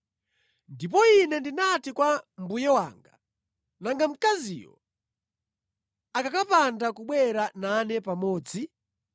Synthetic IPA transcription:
ndip̬ɔinɛndinatikwambujɛwa̰ːŋɡa̰ | naŋɡam̩kazḭjɔ̰ | akakapandakuɓwɛɾananɛpamɔːd͡zi

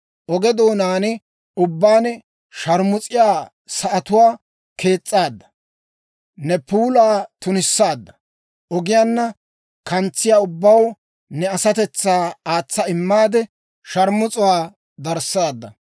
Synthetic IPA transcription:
ʔɔɡɛd̪oːnaːnɪ | ʊbːaːnɛ | ʃɐɾmʊt͡sʼɪjaː | sɐʔɐt̪ʊwaː | kʰe̞ːt͡sʼːaːd̪ːɐ̥ | nɛpuːlaːt̪ʊnɪsːaːd̪ːɐ̥ | ʔɔɡɪjaːnːɐ | kɐnt͡sːɪjaːʊbːɐw | nɛɐsɐt̪ɛt͡sːaːaːt͡sːɐɪmːaːd̪ɛ | ʃɐɾmʊt͡sʼʊwaː | d̪ɐɾsaːd̪ːɐ

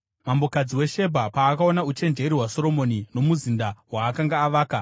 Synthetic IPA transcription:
mambo̞kad͡ziwe̞ʃe̞bʱapaːkao̞naut͡ʃe̞nd͡ʒe̞ɾiɦwaso̞ɾo̞mo̞nino̞muzindawaːkaŋɡaːʋaːka

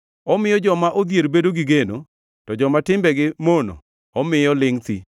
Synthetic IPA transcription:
ɔmɪjɔd͡ʒɔmaʔod̪jeɾbedoɡɪɡeno̰ | tɔd͡ʒɔmatɪmbɛɡɪmono̰ | ɔmɪjɔlɪŋt̪ḭ

